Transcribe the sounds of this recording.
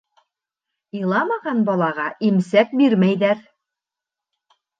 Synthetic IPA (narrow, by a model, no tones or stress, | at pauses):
ilˠɑmɑʁɑnbɒlˠɑʁɑʔimsæk̚biɾmæjðæɾ